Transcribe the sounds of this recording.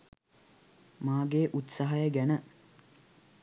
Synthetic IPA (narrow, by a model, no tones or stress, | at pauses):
maːɡeʔut̪saɦajəɡænə